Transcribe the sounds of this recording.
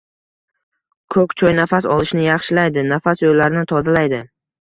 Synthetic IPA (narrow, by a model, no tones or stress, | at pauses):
kʰɵkʲt͡ʃʰɒjnafasɒlˠɪʃnɪjɑχʃɪlajd̪ɪnafasjolːaɾɪnɪt̪ʰɒzalajd̪ɪ